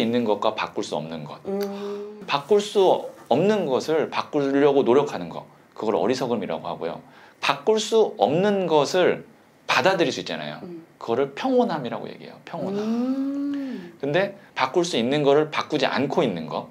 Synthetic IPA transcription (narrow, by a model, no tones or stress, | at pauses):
inːɯnɡʌt̚kwapak͈uɭs͈uʌmnɯnɡʌt̚ | pak͈uɭs͈uʌmnɯnɡʌsʰɯɭpak͈uʎːʌɡonoɾjʌkʰanɯnɡʌ̰ | kɯɡʌɾʌ̰ɾisʰʌɡɯmiɾa̰ɡohaɡojo̰ | pak͈̚uɭs͈uʌmnɯnɡʌsʰɯɭ | padadɯɾis͈uit̚t͡ɕ͈ana̰jo̰kɯɡʌɾɯɭpʰjʌŋwʌnɦamiɾa̰ɡo̰je̞̰ɡiḛjopʰjʌŋɦwʌnɦam | kɯnde̞pak͈uɭs͈uinːɯnɡʌɾɯɭpak͈ud͡ʑiʔa̰nkʰoinːɯnɡʌ